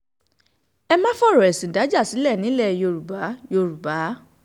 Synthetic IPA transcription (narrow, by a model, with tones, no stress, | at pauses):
ɛ˧mã˦fɔ˦ɾɔ˨ɛ˨sĩ˨da˨˦d͡ʒa˦˨si˨˦lɛ˦˨nĩ˨˦lɛ˦˨jo˧ɾu˨ba˨˦jo˧ɾu˨ba˨˦